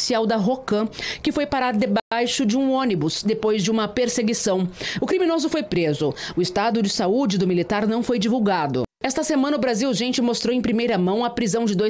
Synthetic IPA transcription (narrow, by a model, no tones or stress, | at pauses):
siawd̪ɐɦokɐ̃kɪfojpaɾaɾd̪ebajʃʊd͡ʒɪũõnibʊsd̪epojzd͡ʒɪũmɐpeɾseɡisɐ̃w̃ʊkɾiminozʊfojpɾezʊʊɪst̪ad̪ʊd͡ʒɪsaud͡ʒɪd̪ʊmilit̪aɾnɐ̃w̃fojd͡ʒivuwɡad̪ʊ̰ɛst̪ɐsemɐ̃nɐʊbɾaziwʒẽnt͡ʃɪmost̪ɾowẽpɾimejɾɐmɐ̃w̃ɐpɾizɐ̃w̃d͡ʒɪd̪oj